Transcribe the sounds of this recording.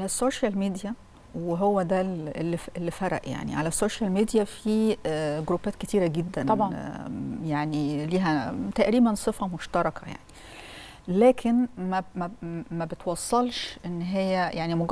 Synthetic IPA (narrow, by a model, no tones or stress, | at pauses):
læsːoːʃælmid̪ijæ | weɦowːæd̪æelːifelːifæɾˤɑ̰ʔja̰ʕnḭʕalæsːoːʃælmid̪ijæfiɡoɾuːbæːt̪ket̪iːɾæɡed̪ːænɑ | jaʕniliːɦæt̪æʔɾiːbænsˤɨfɑmoʃt̪ɑɾˤɑkʰɑja̰ʕni | læːkʰenmæmæmæbet̪wɑsˤːɑlʃʔenːɦejːæjʔaʕnimoɡ